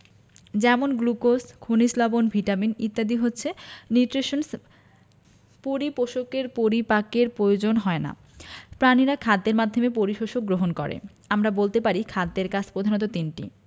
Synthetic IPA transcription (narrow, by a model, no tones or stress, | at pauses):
d͡ʑɛmonɡlukoskʰunislɔbonbʱiʈaminit̪ːad̪iɦotːɕʰeniuʈɾeʃons | poɾipoʃokeɾpoɾipakeɾpɾojod͡ʑonɦɔena̰ | pɾaniɾakʰad̪ːeɾmad̪ʱːomepoɾiʃoʃok̚ɡɾoɦonkɔɾḛ | amɾabolt̪epaɾikʰad̪ːeɾkad͡ʑʰpɾod̪ʱanot̪̬ot̪inʈḭ